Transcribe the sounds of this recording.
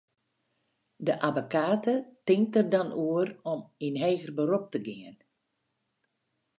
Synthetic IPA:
dəʔabokaːtətɪŋk̚tərdanuərɔminɦɛːɣərbəɾup̚təɡɪən

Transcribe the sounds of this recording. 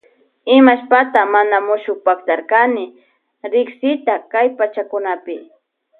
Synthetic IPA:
ɪmaʃpat̪amanamʊʃʊk̚pakt̪aɾkanɪ | ɾɪksɪt̪akajpat͡ʃakʊnapɪ

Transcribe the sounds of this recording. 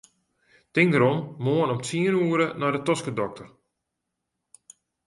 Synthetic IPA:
tɪŋdəɾɔmːoənɔmt͡siənuəɾənɔjdətɔskədɔk̚tər

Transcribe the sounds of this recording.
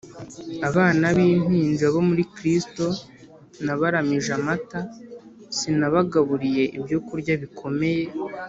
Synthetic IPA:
aβaːnaβiːnhiːnd͡ʒaβo̞muɾikɾisto̞ | naβaɾamiʒamata | sinaβaɡaβuɾije̞ʔibjokuɾɟaβikʰo̞me̞je̞

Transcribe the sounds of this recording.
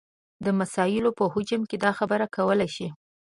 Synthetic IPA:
d̪əmasɑjɪlopəhʊd͡ʒəmked̪ɑxabəɾakʰawəlajʃi

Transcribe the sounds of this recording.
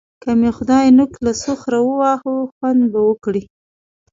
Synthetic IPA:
kamexʊd̪ɑjnʊklasʊxɾawəwɑhuxwand̪bawəkɽi

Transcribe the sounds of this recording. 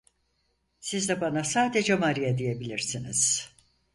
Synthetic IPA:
sizd̪ɛbanasaːd̪ed͡ʒɛmaɾijad̪ije̞bilʲiɾsinḭz̥

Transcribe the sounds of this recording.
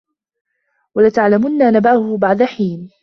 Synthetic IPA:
walat̪aʕlamʊnːanabaʊhʊbaʕd̪aħiːn

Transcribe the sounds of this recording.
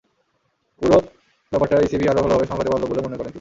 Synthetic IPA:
uɾo | bɛpaʈːaɾisibʱiaɾobʱloɦabeʃɔ̃bʰʱad̪ebalobolemonekɔɾent̪ini

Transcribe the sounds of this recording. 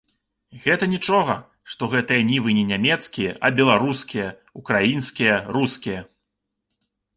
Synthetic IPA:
ɣɛt̪ɐnʲit͡ʂɔɣɐ | ʂt̪ɔɣɛt̪ɨjɐnʲivɨnʲɛnʲamʲɛt̪skʲijɛʔɐbʲɛlˠaɾuskʲijɐ | ukɾajinskʲijɐɾuskʲijɐ

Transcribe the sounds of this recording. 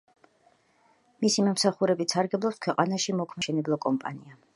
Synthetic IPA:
misimɔmsaχuɾɛbit̪saɾɡɛblˠɔpskʰwɛqʼanaʃimɔkʰmɛʃɛnɛblˠɔkʼɔmpʼa̰nia

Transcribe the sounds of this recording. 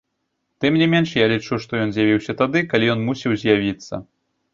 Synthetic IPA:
t̪ɨmnʲimʲɛnʂjalʲit͡ʂuʂt̪ɔjɔnzʲjavʲiwsʲɐt̪ad̪ɨkalʲijɔnmusʲiwzʲjavʲit̪sːɐ̰

